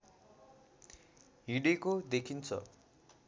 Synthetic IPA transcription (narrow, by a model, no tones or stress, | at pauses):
ɦiɖekod̪ekʰint͡sʰʌ̰